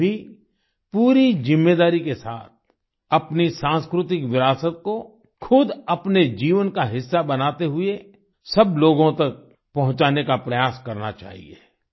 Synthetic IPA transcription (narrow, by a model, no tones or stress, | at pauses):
i | puːɾid͡ʒɪ̃mːeːd̪aːɾikesa̰ːt̪̚ʰ | ɐpnisãːnskɾʊt̪ɪkʋɪɾaːsət̪̚ko | kʰʊd̪ɐpned͡ʒiːʋənkaɦɪsːabɐnaːt̪eɦʊe | sɐbloːɡõt̪ɐk̚ | pɐɦʊ̃t͡ʃaːnekapɾɐjaːskɐɾna̰t͡ʃa̰ːɦḭe